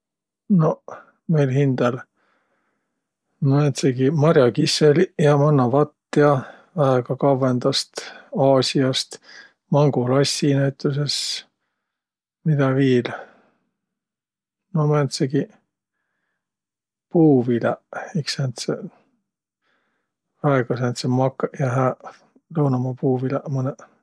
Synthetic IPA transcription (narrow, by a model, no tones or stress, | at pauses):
no̞ | mejlɦind̪̥el | mɑent̪seɡimɑɾjɑkiseljɑmɑnːɑvɑt̪ːiɑ | væeɡ̥ɑkɑvend̪̥ɑst̪ɑːsʲiɑst̪ | mɑŋɡulɑsʲːinæjt̪ːˑuse̞s | mid̪̥ɑviːl | nomænt̪seɡi | puːvileeksænt̪se | væeɡ̥ɑsænt̪semɑkːjɑɦæ | lɤwnɑmɑpuːvilemɤnɛ